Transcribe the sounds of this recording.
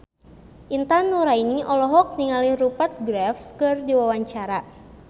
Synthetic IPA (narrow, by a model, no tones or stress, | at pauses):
ʔint̪anːuɾainiʔɔlɔɦɔk̚niŋalihrupat̪̚ɡɾɛfskɨrdiwawaɲt͡ʃaɾa